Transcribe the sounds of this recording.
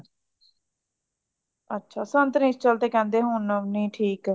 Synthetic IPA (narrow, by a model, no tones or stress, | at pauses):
ətːʃʰaːsənt̪nĩːst͡ʃəlt̪eːkɛ̃ːnd̪eːɦʊnənĩːʈʰiːk